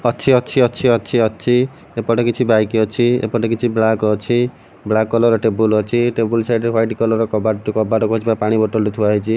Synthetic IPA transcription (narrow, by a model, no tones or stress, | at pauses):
ɔt͡ʃʰiɔt͡ʃʰiɔt͡ʃʰiɔt͡ʃʰiɔt͡ʃʰi | epɔʈekit͡ʃʰibajkiɔt͡ʃʰiḛpɔʈekit͡ʃʰiblakɔt͡ʃʰi | blakːɔlɔɾɔʈebulɔt͡ʃʰiʈebulsajʈɾeɦwajʈikɔlɔɾɔkɔbaʈkɔbaʈɔkot͡ʃʰibapaɽ̃ibɔʈɔlt̪it̪ʰuaɦit͡ʃʰi